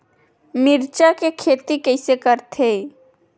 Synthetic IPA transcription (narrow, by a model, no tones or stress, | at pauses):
miɾt͡ʃakekʰet̪ikəɪsekəɾt̪ʰe